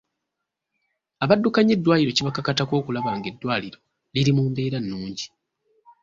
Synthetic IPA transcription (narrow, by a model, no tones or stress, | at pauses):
aβadːukaɲe̞dːwaːliɾo̞ciβakakatako̞ːkulaβaːŋɡe̞dːwaːliɾo̞ | liɾimuːmbe̞ːɾanːuːɲɟi